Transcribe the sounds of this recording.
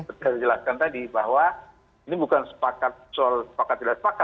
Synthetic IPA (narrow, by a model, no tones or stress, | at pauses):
sət̪iasəd͡ʒəlaskant̪adibaɦwa | inibukansə̥pakat̪̚sɔlsə̥pakat̪̚d͡ʒəlasəpaka